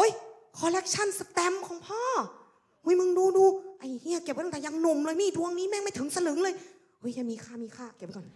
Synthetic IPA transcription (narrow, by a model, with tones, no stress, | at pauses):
ʔo˦˥j | kʰɔː˧lɛ˦˥k̚t͡ɕʰa˥˩˨nsa˧t̪ɛ˧˥mkʰɔː˨˦ŋpʰɔː˥˩ | hu˧˩˦mɯ˧ŋduː˧duː˧ʔa˧˩jhi˧˩˨ke˨˩p̪̚ːɛː˨˩ja˧ŋno˧˩mlɤː˧jmiː˧˥˩tʰu˧əŋniː˦˥˨mɛː˧˥˩ŋma˧˩˨t̪ʰɯ˨˩˦ŋsa˧lɯ˨˦ŋlɤː˧j | ʔɤː˨˦˥ja˧˩miː˧kʰaː˧˥˩miː˧kʰaː˧˩ke˨˩p̚kɔː˨˩n